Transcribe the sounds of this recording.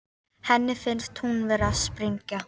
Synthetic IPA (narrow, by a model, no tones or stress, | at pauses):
hɛnːɪfɪnst̪hunvɛːɾaðspɾɪɲca